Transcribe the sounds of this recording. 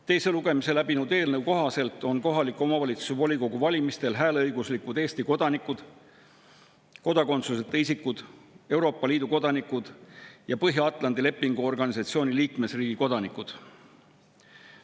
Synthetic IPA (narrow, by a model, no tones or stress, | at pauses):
t̪e̞jse̞luɡe̞mise̞læb̥inuwd̪̥e̞ːlnəwko̞ɦɑse̞lt̪ːˑo̞nko̞ɦɑlikːˑo̞mɑvɑlʲit̪su̥sevo̞lʲiko̞ɡ̥uvɑlʲimist̪e̞lɦæːlɤjɡuslikud̪e̞ːst̪iko̞d̪̥ɑnikːˑud̪̥ | ko̞d̪ɑko̞nt̪suset̪ːˑeisikːud̪̥e̞wɾo̞ːpːˑɑliːd̪̥uko̞d̪ɑnikːˑud̪̥jɑpɤɦjɑɑt̪ːˑlɑnd̪ile̞pːiŋɡ̥uo̞rɡ̥ɑnisɑt̪sio̞ːniliːkme̞sriːɡ̥iko̞d̪ɑnikːˑud̪̥